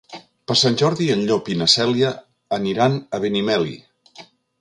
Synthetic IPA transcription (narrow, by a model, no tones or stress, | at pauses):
pəɾsanʲʒɔɾðiənʎopinəsɛljəː | niɾanəβenimɛlḭ